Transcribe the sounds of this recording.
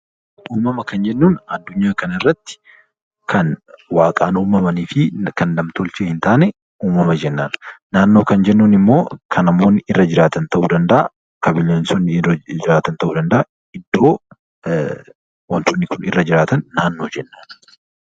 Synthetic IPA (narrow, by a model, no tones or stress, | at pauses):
uːmɐmɐkɐnd͡ʒɛnːuːnɐd̪ːʊɲːaːkɐnɐɪrːɐt̪ːɪ̥ | kʰɐnwaːkʼaːnuːmɐmɐniːfɪkɐnlɐmt̪ɔlt͡ʃeːhɪnt̪aːnɛ | uːmɐmɐd͡ʒɛnːaːnnaːnːoːkɐnd͡ʒɛnːuːnɪmːo̞ːkʰɐnɐmo̞ːnːɪʔɪrːɐd͡ʒɪɾaːt̪ɐnt̪ɐʔuːd̪ɐnd̪ɐʔɐ | kɐbɪlːeːnsɔnːɪd͡ʒɪɾaːt̪ɐnt̪ɐʔuːd̪ɐnd̪ɐʔa | ɪd̪ːo̞ː | wɐnt̪ʊnːɪkʊnɪrːɐd͡ʒɪɾaːt̪ɐnːaːnːo̞ːd͡ʒɛnːaːn